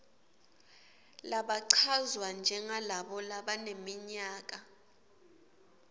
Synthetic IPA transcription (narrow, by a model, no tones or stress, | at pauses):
laɓaǀʰazwand͡ʒʱɛŋalaɓɔlaɓanemiɲaːk̬a